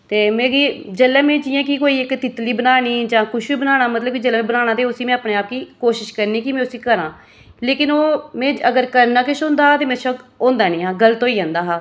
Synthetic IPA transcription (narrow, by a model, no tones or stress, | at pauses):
t̪eːmẽːɡiːd͡ʒəlːɛ̃ːmẽːd͡ʒɪjãːkikoːiːɪkt̪ɪt̪liːbənaːñiːd͡ʒãːkʊʃʋiːbənaːɽ̃aːmət̪ləb̚kid͡ʒəlãːẽbənaːnaːt̪eːʊsiːmɛ̃ːaːpneːaːp̚kiːkoːʃɪʃkəɾniːkɪmɛ̃ːʊsiːkəɾãː | leːkɪnoːmɛ̃ːəɡəɾkəɾnaːkɪʃõːnd̪aːɦaːt̪eːmɛ̃ːʃəkõːnd̪aːnĩːɦãːɡəlt̪oːiːãːnd̪aːɦaː